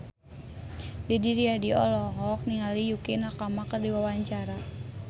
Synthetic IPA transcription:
dɛdiɾiadiɔ̰lɔɦɔk̚niŋalijukinakamakərdiwawaɲt͡ʃaɾa

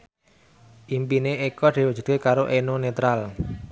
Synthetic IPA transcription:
ʔimpineekɔd̪̥i̤wu̥ʒ̥ṳt̪̚kekaɾoʔenonet̪ɾal

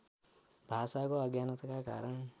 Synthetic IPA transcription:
bʱasakoʌɡjant̪kaka̰ɾʌɳ

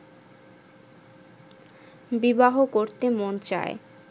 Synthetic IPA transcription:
bibaɦokoɾt̪emont͡ɕa̰e

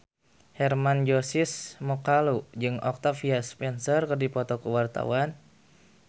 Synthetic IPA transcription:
hɛrmand͡ʒosɪsmɔkalud͡ʒɨŋɔk̚t̪afiaspɛnsərkərdipɔt̪ɔkəwart̪a̰wan

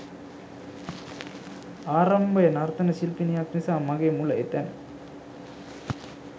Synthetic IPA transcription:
aːɾɐmbɐjɐnaɾt̪ɐnɐsilpinijaːknisaːmɐɡemulɐɪt̪ːɐn

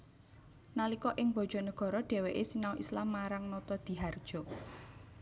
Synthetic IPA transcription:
nalikɔʔɪŋb̥ɔ̤d̥ʒ̥ɔ̤nəɡ̥ɔ̤ɾɔɖ̥ɛ̤weʔesinawʔislamːaɾaŋnɔt̪ɔd̪̥i̤ɦard̥ʒ̥ɔ̤

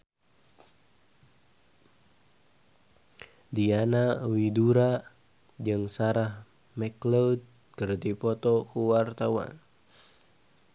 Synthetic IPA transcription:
dianawiduɾa | d͡ʒɨŋsaɾah | mɛklod̪̚ | kərt̪ipɔt̪ɔkuwart̪awa̰n

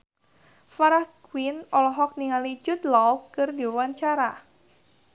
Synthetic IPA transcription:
faɾahkwinɔlɔɦɔk̚niŋalid͡ʒʊt̪lɔwkɨrdiwaɲt͡ʃaɾa

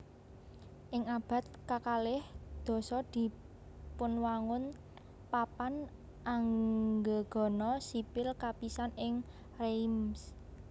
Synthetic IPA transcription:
ʔɪŋab̥ä̤t̪̚kakalɪhd̪̥ɔ̤sɔd̪̥i̤ | pʊnwaŋʊn | papan | ʔaŋɡəɡ̥ɔ̤nɔsipɪlkapisanɪŋ | rems

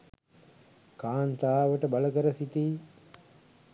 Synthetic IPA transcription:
kaːnt̪aːʋəʈəbaləkəɾəsit̪iː

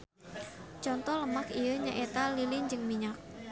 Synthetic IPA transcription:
t͡ʃɔnt̪ɔləmakijəɲaʔet̪alilɪɲd͡ʒɨŋmiɲak̚

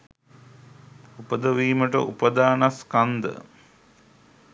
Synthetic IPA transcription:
upəd̪əʋiːməʈə̰ʔupəd̪aːnaskand̪ə̰

